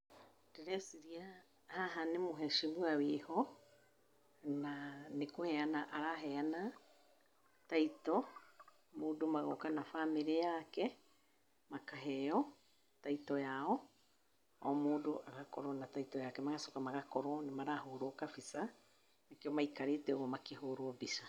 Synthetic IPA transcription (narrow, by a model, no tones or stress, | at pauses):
dɛɾɛsiɾia | haɦanemoɦɛʃimwawehɔ | nanekohɛanaʔaɾaɦɛana | taitɔ | moːdomaɣo̰kanafameɾejakɛ | makaɦɛjɔ | taitɔjaɔ | ɔ̰moːdoʔaɣakɔɾɔnataitɔjakɛmaɣasɔkamaɣakɔɾwɔnemaɾahoɾokafisa | nakeɔmaikaɾetɛɣɔmakehoɾwɔbisa